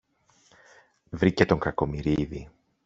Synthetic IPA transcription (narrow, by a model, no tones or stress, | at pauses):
vɾice̞t̪o̞ŋkɐko̞miɾiði